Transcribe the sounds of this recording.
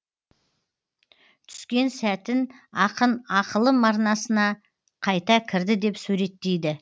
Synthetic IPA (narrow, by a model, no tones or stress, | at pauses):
t̪ʰʏ̥skʲe̞nsæt̪ɪnɑqənɑqəlˠəmɑɾnɑsənɑ | qʰɑjt̪ɑkʲʰɪɾd̪ɪd̪e̞psʉɾe̞t̪ːe̞jd̪ɪ